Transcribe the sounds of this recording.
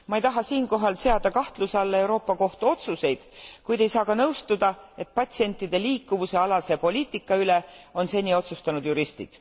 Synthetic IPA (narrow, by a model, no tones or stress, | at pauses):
mɑejt̪ɑɦɑsiːnko̞ɦɑlse̞ɑd̪̥ɑkɑht̪lusɑlːee̞wɾo̞ːpːˑɑko̞ht̪uo̞t̪suse̞jd̪̥kujd̪e̞jsɑːkɑnɤwst̪ud̪ɑe̞t̪̚pɑt̪ʲsie̞nʲt̪ːˑid̪̥e̞liːkːˑuvuse̞ɑlɑse̞po̞lʲiːt̪ːˑikːɑyle̞o̞nse̞nʲːio̞t̪sust̪ɑnud̪̥juɾist̪ḭd̪̥